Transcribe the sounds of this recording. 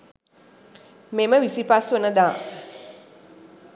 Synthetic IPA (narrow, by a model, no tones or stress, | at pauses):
meməʋisipasʋonəd̪aː